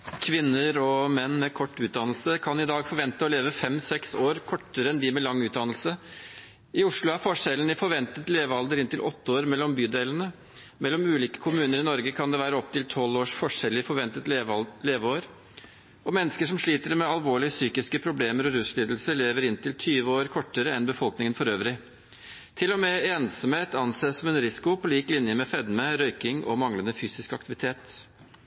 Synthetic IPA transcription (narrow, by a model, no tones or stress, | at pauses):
kʰʋɪnːəɾɔmɛnːmɛkʰɔʈːʉːt̪̚d̪ɑnəlsəkʰɑnɪd̪ɑːɡfɔɾʋɛnt̪əɔleːʋəfɛmsɛksoːɾkʰɔʈːəɾəɛnd̪ɪmɛlɑŋːʉːt̪̚d̪ɑnəlsə | ɪʊʂlʊæɾfɔʂɛlən̩ɪfɔɾʋɛnt̪ət̪leːʋəɑld̪əɾɪnt̪ɪlʔɔt̪ːəoːɾmɛlːɔmbyːd̪elənə | mɛlːɔmʉːliːkə̥kʰʊmʉːnəɾɪnɔɾɡəkʰɑnd̪ɛʋæːɾəɔp̚t̪ʰɪlt̪ʰɔlːoːʂfɔʂɛlːɪfɔʋɛnt̪ət̪leːʋəoːɾ | ɔmɛnːəskəʂɔmʂɭiːt̪əɾmɛɑlʋoːɭɪəsyːkɪskəpʰɾʊbleːməɾɔɾʉsɭiːd̪l̩səɭeːʋəɾɪnt̪ɪlt̪ʰyːʋəoːɾkʰɔʈːəɾəɛnbəfɔlknɪŋənfɔɾøːʋɾɪ | t̪ʰɪlːɔmeːeːnsɔmheːt̪ʰɑnseːsɔmɛnɾɪsɪ̥kʊpʰɔliːklɪnjəmɛfɛd̪məɾœʏkɪŋʔɔ̰mɑŋlənəfyːsɪskɑkt̪ɪʋɪt̪ʰeːt̪